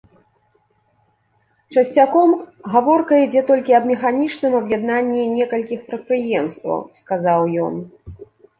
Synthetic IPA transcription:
t͡ʂɐsʲt͡sʲakɔmɣavɔrkɐid͡zʲɛt̪ɔlʲkʲiɐbmʲɛxanʲit͡ʂnɨmɐbjad̪nanʲːinʲɛkɐlʲkʲixpɾɐt̪̚pɾɨjɛmst̪vɐ̰wskazawjɔ̰n

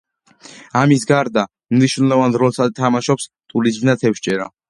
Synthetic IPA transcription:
amisɡaɾd̪a | mniʃwnlˠɔvanɾɔlˠsad̪̚t̪ʰamaʃɔps | t̪ʼuɾizd̪nat̪ʰɛpʃt͡ʃʼɛɾa̰

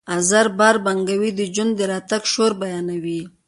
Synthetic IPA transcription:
azaɾbaɾbaŋɡawid̪əd͡ʒand̪d̪əɾɑt̪aɡʃoɾbajɑnawi

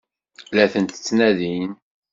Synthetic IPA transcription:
læθənt̪ə̥t͡sːnæðin

